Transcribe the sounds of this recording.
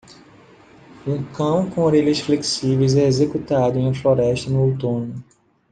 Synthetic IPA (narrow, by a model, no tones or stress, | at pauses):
ũkɐ̃w̃kõoɾeʎɐsfleki̥sivejzɛezekut̪ad̪ʊẽɐflɔɾɛʃt̪ɐnʊowt̪õnʊ